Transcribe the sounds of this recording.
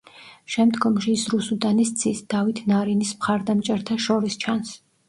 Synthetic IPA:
ʃɛmd̪ɡɔmʃiːsɾusud̪ʼanist̪sʰʼisd̪̥avit̪ʰnaɾinismχaɾd̪amt͡ʃʼɛɾt̪ʰaʃɔɾist͡ʃʰans

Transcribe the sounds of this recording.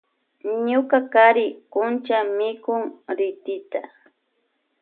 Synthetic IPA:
ɲʊkakaɾɪkʊnt͡ʃamɪkʊŋɾɪt̪ɪt̪a

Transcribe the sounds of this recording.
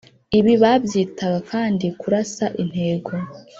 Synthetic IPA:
iβiβabjiːtaɡakʰaːndikuɾasaʔin̥he̞ːɡo

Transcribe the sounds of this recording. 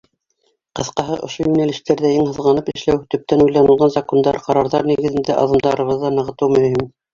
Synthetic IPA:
qɤ̆θqɑɦɤʔŏʃojʉnælɘ̆ʃt̪æɾðæiŋhɤ̆ðʁɑnɤpɘ̆ʃlæwt̪ɵ̆p̚t̪ænujlɑnɤ̆lˠʁɑnzɑkond̪ɑɾqɑɾɑɾðɑɾniɣɘ̆ðɘ̆nd̪æʔɑ̰ðɤ̆md̪ɑɾɤ̆βɤðːɑnɤ̆ʁɤ̆t̪ɤwmɵ̆mhim

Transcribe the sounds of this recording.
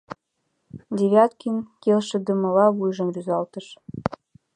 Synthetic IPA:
d̪ʲeβʲjɑt̪kinkelʃə̆d̪ə̆mɤ̆lɑβujʒɤ̆mryzɑlt̪əʃ

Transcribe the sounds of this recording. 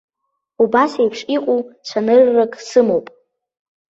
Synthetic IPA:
ubasejpʰʂʼiqʷʼut͡ɕʷʰanɨrːakʼsɨmowpʼ

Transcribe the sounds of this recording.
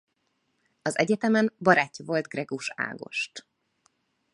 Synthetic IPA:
ɒzɛɟɛt̪ɛmɛmbɒɾaːcːɒvo̞lt̪ɡrɛɡuʃa̰ːɡo̞̰ʃt̪

